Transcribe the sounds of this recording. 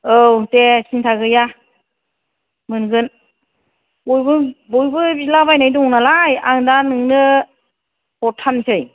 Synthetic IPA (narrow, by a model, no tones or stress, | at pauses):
ɯwtesintʰaɡɯja | mɯnɡɯn | bojbɯbɔjbɯbilabajnajdɔŋnalajaŋdanɯŋnɯ | pɔtʰansʰɯj